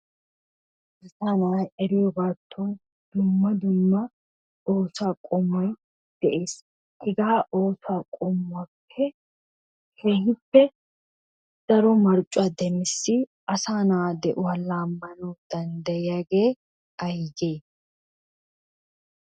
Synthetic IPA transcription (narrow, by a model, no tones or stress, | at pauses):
ɪɾt̪ɐnajɛɾɪjɔbaːt̪ʰːɔn | d̪̥ʊmːɐd̪ʊmːɐ | oːsaːkʼɔmɔj | d̪̥ɛʔeːs | ʔɪɡaːʔo̞ːsaːkʼɔmʊapʰːɛ | heːhɪpːɛ | d̪̥ɐɾɔmɐɾt͡ʃʼʊɐd̪ɛmɪsːɪʔɐsaːnaːd̪ɛʔʊwɐlaːmːɐnɔd̪̥ɐnd̪ɐjɪjaɡe̞ː | ɐjɡeː